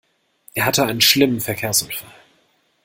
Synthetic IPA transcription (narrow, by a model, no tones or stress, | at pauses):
ʔeːɐɦatəaɪnənʃlɪmənfɛɐkʰeːɐsʊnfal